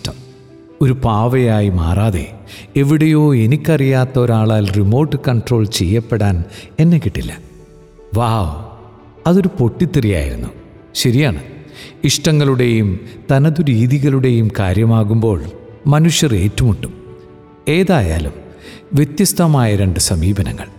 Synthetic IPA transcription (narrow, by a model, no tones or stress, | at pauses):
ʈɐm | o̞ɾupaːʋɐjaːjima̰ːraːðḛe̞ʋiɽejo̞ːe̞nikʲːɐrijaːt̪ːɐo̞ɾaːɭaːlrimo̞ːʈːɨkɐɳʈro̞ːɭt͡ɕe̞̰jːɐpːeɽaːne̞nːe̞kːiʈːḭlːɐ̰ | ʋaː | ɐðo̞ɾupo̞ʈːit̪ːirija̰ːjḭɾṵnːu | ɕɐɾijaːɳɨiʂʈɐŋːɐɭuɽe̞jumt̪ɐnɐðuɾiːðiɣɐɭuɽe̞jumkaːɾjɐmaːɣumbo̞ːɭmɐnuʂjɐre̞̰ːtːumuɳːum | e̞ːðaːja̰ːlum | ʋje̞t̪jɐst̪ʰɐmaːjɐɾe̞ɳɖɨsɐmiːbɐnɐ̰ŋːɐ̰ɭ